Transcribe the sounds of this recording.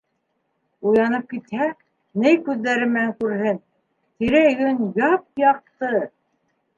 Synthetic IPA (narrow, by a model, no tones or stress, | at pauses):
ujɑnɤp̚kit̪hæ | nɘjkʉðːæɾɘmɘ̆næŋkʉɾɦɘn | t̪iɾæjɡɵnjɑp̚jɑq̚t̪ɤ